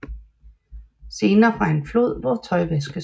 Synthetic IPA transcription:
se̝ːnɐːfʁɑ̈e̝nflo̝ð̞̰ˠʋɒt͡sʰɒ̽ɪʋesɡ̥ə

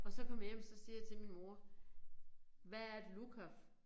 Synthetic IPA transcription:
ɒ̽sɒ̽kʰɒ̽m̰jemsɒ̽siːɐjɑ̈t͡sʰe̝lminmo̝ɐ | ʋææɐed̥lukʰæf

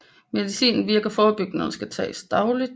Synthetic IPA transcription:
me̝ðˠisḭːnn̩ʋiɐɡ̥ɐfɒːb̥yɡ̥nəsɡ̥æt͡sʰɛ̰ːsd̥ɑ̈ʊlid̥

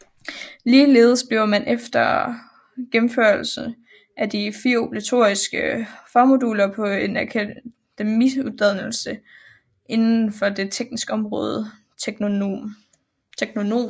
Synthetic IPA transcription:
liːle̝ːð̞̩ˠəsb̥le̝ʊɐmænʔefd̥ɐ | ɡ̥em̩føɐlsn̩ | ʔæd̥ifiɐo̝pʰlæt͡sʰo̝̰ɐisɡ̥əfɑ̈ːmo̝duːlɐpʰɒ̽e̝næɐkʰ | d̥emiud̥æð̰ˠnl̩sə | ʔe̝nn̩fɒ̽de̝t͡sʰeɡ̥nisɡ̥əɒ̽mʁɔ̰̽ːð̞̥ˠ | t͡sʰeɡ̥no̝no̝̰ːm

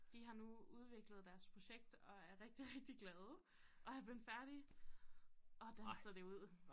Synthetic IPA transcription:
d̥iɦɑ̈nuuð̞ˠʋe̝ɡ̥ləð̞̩ˠd̥æɐspʰʁo̝ɕeɡ̥̚d̥ɒ̽æɐʁɛɡ̥̚d̥iʁeɡ̥̚d̥iɡ̥lɛð̞ˠ | ʔɒ̽æb̥lenfæɐɾ̥i | ʔɒ̽d̥ænsɐd̥e̝uð̞̰ˠ

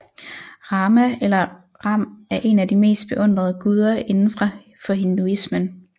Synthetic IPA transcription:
ʁɑːmæelɐ | ʁɑ̈m̰æɐʔe̝næd̥ime̝̰ːsd̥̚b̥e̝ʔɔ̽n̰d̥ʁɐð̞ˠəɡ̥uð̞ˠɐe̝nn̩fʁɑ̈ | fɒ̽ɦe̝nd̥uismən

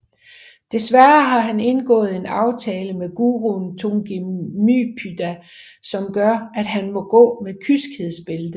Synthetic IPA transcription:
d̥e̝sʋæɐɐɦɑ̈ɦæne̝nɡ̥ɔ̰̽ːð̞̩ˠe̝nɑ̈ʊt͡sʰɛːləmeɡ̥uːʁunt͡sʰoŋɡ̥imypʰyd̥æ | sɒ̽mɡ̥ɶɐæd̥ɦænmɒ̽ɡ̥ɔ̰̽ːmekʰysɡ̥heð̰ˠsb̥e̝ldˠə

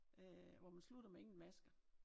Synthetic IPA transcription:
øʋɒmænslud̥ɐmee̝ŋn̩ʋæsɡ̥ə

